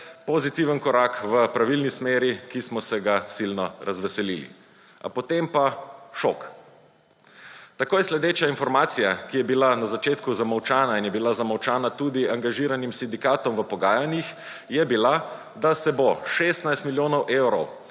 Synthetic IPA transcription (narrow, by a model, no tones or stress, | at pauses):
pozit̪iʋənkɔɾakʋəpɾaʋilnismeːɾikismɔsɛɡasilnɔɾʔazʋɛsɛlilḭ | a̰pɔt̪empaʃo̰k | t̪akoːjɛslɛd̪eːt͡ʃjainfɔɾmaːt̪sijakijɛbilanazat͡ʃeːt̪kuzamawt͡ʃaːnainjɛbilazamawt͡ʃaːnat̪uːd̪iaŋɡaʒiːɾanimsind̪ikaːt̪ɔmʋəpɔɡaːjanjix | jɛbila | d̪asɛbɔʃest̪najst̪miljoːnɔwʔewɾɔw